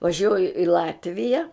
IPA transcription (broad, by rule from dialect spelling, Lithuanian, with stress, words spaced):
ʋɐˈʒʲuɔjʊ ɪ ˈlˠɑːtʲʋʲɪjɛ